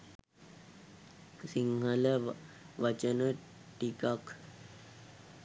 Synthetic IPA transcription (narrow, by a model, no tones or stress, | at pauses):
siŋɦələ | ʋət͡ʃənə | ʈikak